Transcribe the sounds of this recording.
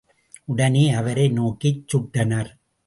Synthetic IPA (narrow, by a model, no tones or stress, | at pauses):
ʊɽɐneːɐʋɐɾɐɪnoːkɪt͡ʃːʊʈːɐnɐɾ